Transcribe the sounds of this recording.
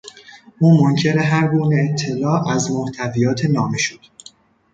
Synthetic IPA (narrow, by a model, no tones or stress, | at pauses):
ʔuːmoncʰe̞ɾeɦæɾɡuːneːt̪ʰːe̞lɒːʔæzmoht̪ʰævijɒːt̪ʰenɒːmeʃod̪̥